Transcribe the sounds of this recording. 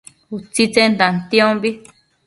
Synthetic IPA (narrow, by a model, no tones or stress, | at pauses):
ut͡sit͡sẽnd̪ãnt̪ĩõmbi